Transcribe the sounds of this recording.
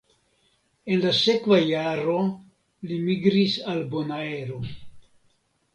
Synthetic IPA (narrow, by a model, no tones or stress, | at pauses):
e̞nlase̞kvajaɾo̞ | limiɡɾisalbo̞nae̞ɾo